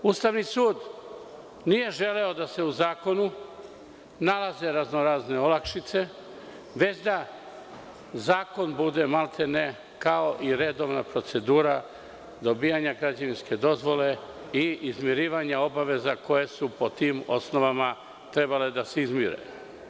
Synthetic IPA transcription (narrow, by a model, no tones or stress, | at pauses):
ust̪aʋnisuːd̪ | nije̞ʒe̞le̞o̞d̪ase̞uzaːko̞nu | nalaze̞ɾaznoɾaːzne̞olakʃit̪se̞ | ʋe̞t͡ɕd̪a | zaːko̞nbud̪e̞malˠt̪ʰene | kao̞ʔiɾe̞d̪o̞ʋnapɾo̞t̪se̞d̪uːɾa | d̪o̞biːaɲaɡɾad͡ʑaʋinske̞d̪o̞zʋo̞le̞ | iizmjiɾiːʋaɲao̞baʋe̞zako̞je̞supot̪iːmo̞̰sno̞ʋama | t̪ɾe̞bale̞d̪aseizmiɾḛ